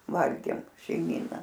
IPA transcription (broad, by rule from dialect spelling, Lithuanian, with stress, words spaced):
ˈʋɐlʲɡʲeːm ʃʲɛɪˈmʲiːnɐ